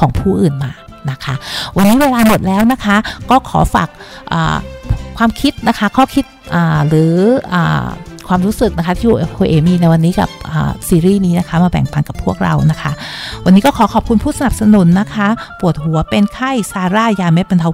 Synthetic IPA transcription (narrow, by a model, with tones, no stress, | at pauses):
kʰɔː˩˦ŋpʰuː˥˩ʔɯː˨˩nmaː˧ | na˦˥kʰa˦˥wa˧nːiː˦˥weː˧laː˧mo˨˩t̪̚lɛː˦˥wna˦˥kʰa˦˥kɔː˥˩kʰɔː˩˦fa̰ː˨˩k̚ | ʔa̰ː˨˩kʰwaː˧mkʰi˦˥t̪̚na˦˥kʰa˦˥kʰɔː˥˩kʰi˦˥t̪̚ʔaː˨˩ɾɯː˩˦ʔa̰ː˨˩kʰwaː˧mɾuː˦˥sɯ˨˩k̚na˦˥kʰa˦˥t̪ʰiː˥juː˧˨ʔe˧fʔoː˧ʔeː˧˩miː˧na˧jwa˧nːiː˦˥ka̰˨˩p̚ʔə̰ː˨˩siː˧ɾiː˥˩niː˦˥na˦˥kʰa˦˥maː˧bɛ̰˨˩ŋt̪a˧ŋka˨˩pʰːu˥˩ək̚ɾa̰˧wna˦˥kʰa˦˥wa˧nːiː˦˥kɔː˥˩kʰɔː˩˦kʰɔː˨˩p̚kʰu˧npʰuː˥˩sa˧na˨˩p̚sa˧nu˩˦nːa˦˥kʰa˦˥pu˨˩ət̪̚hu˨˩˦ɐpe˧nkʰa˥˩jsaː˧ɾaː˥˩jaː˧me˦˥t̪̚ba˧nt̪ʰa˧˥